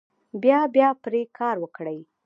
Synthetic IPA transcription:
bjɑbjɑpɾekʰɑɾwəkɽəj

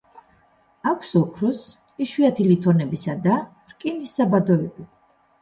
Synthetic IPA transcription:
akʷʰsɔkʰɾɔs | iʃwiat̪ʰilit̪ʰɔnɛbisad̪a | ɾkʼinisabad̪ɔɛbi

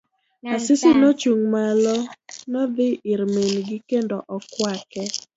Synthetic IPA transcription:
asɪsɪnɔt͡ʃuŋmalɔnɔd̪ɪɪɾmenɡɪkendɔʔɔkwakɛ

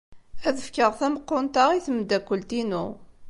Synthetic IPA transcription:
æðəfkəʁθæməqːʊnt̪aʁiθəmd̪ækʷːəlt̪inu

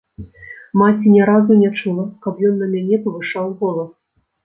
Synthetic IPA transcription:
mat͡sʲinʲɛɾazunʲat͡ʂulˠɐkɐpjɔnːɐmʲanʲɛpɐvɨʂawɣɔlˠɐ

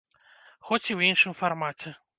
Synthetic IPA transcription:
xɔt͡sʲiwinʂɨmfarmat͡sʲɛ

